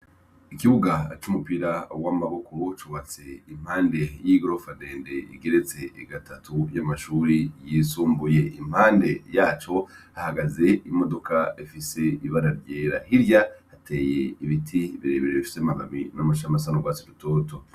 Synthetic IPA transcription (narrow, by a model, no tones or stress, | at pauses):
ikiβuɡat͡ʃumupiɾawamumaβokot͡ʃuwaːnt͡se̞im̥haːnde̞jiɡo̞ɾofade̞ːnde̞ḭɡe̞ɾet͡se̞ɡatatʰujamaʃuːɾijisuːmbuje̞ʔim̥haːnde̞jaːt͡ʃo̞hahaɡaze̞imo̞do̞kaifise̞iβaɾaɾjeːɾahiɾjahatʰe̞ːjeiβitʰiβiɾe̞ːβeɾeβiʃu̥t͡semaɡaminamaʃamasanoɡwaːsiɾutoːto̞